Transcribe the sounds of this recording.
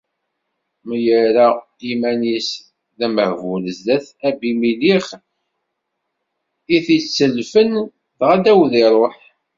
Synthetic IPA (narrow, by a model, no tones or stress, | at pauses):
mijəɾa | imænis | ðæməhvʊləzðæθæbimiliχ | iθit͡sːəlːfən | ðʁæd̪æwðiɾˤoħ